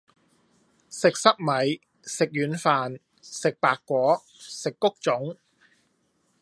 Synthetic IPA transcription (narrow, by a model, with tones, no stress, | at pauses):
sɪ˨k̚sɐ˥k̚mɐ˨˥j | sɪ˨k̚jyː˨˥nfaː˨n | sɪ˨k̚paː˨kːʷɔː˨˥ | sɪ˨kːʊ˥k̚t͡sʊ˨˥ŋ